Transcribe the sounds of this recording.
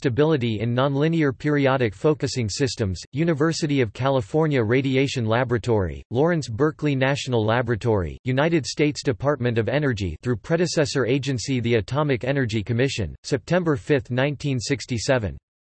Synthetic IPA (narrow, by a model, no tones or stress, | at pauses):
stɨbɪlˠəɾiɪ̃nːɑ̃nlɪ̃niə˞pʰɪɹiɑɾɨkfoʊkɨsɪ̃ŋsɪstɨ̃mz̥jʉnɨvɜ˞sɨɾiʌv̥kʰælˠəfɔɹnjɨɹeɪɾieɪʃɨ̃nlæbɹɨtʰɔɹḭlɔɹɨ̃nsbɜ˞klinæʃn̩l̩ˠlæbɹɨtʰɔɹḭjʉnaɪɾɨd̥steɪtsd̥ɨpʰɑɹt̚mɨ̃nʌvɛnə˞d͡ʒḭθɹʉpʰɹ̥ɛɾɨsɛsə˞eɪd͡ʒɨ̃nsiðiɨtʰɑmɨkɛnə˞d͡ʒikʰɨmɪʃɨ̰̃nsɛp̚tʰɛ̃mbə˞fɪθnãɪ̃ntʰĩnsɪkstisɛvɨ̰̃n